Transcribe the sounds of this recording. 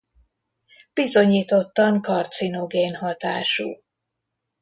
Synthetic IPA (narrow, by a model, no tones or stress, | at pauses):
b̥izo̞ɲiːt̪o̞t̪ːɒŋkɒrt̪sinoɡeːnɦɒt̪a̰ːʃṵː